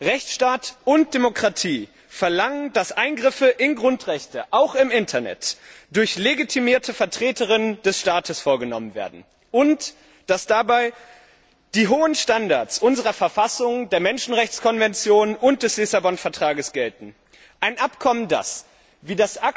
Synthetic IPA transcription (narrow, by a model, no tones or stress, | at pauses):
ʁɛçt͡sʃtaːtʊnt̚d̥emokʁ̥atʰiː | fɛɐlaŋəndasʔaɪnɡʁɪfəʔɪnɡʁʊntʁ̥ɛçtəʔaʊxɪmɪntʰɐnɛ̰td̥ʊɐçleɡitʰimiːɐtʰəfɛɐtʁ̥eːtəʁɪnəndɛsʃtaːtʰəsfoːɐɡənɔ̰mənvḛːɐdn̩ | ʔʊnt | d̥asd̥abaɪ | d̥iːɦoːənʃtandaɐsʔʊnzəʁɐfɛɐfasʊŋdeːɐmɛnʃn̩ʁɛçt͡skʰɔnvɛnt͡sjoːnʊnt̚d̥ɛslɪsabɔnfɛɐtʁ̥aːɡəsɡ̥ɛltn̩ | ʔaɪnʔapkʰɔmənda̰s | viːdasʔak